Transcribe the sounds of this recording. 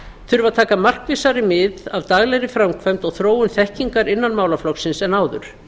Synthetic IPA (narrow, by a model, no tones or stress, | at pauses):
θʏɾvat̪ʰaːkamar̥kvɪsaɾɪmɪðavt̪aːɣlɛɣɾɪfɾamkʰvɛjmt̪ɔɣθɾoːwʏnθɛhciŋkaɾɪnːanmaːwlaflɔksɪnsɛnaːwðʏɾ̥